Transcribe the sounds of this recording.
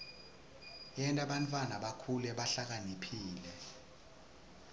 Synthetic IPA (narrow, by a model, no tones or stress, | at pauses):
ɛntʼaɓantʼwanaɓakʰulɛɓaɬak̬anipʰiːlɛ